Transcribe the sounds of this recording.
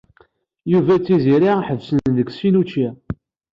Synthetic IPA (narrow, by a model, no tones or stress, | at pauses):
juvæt͡sːiziɾiħəvsənnðəɡsinut͡ʃi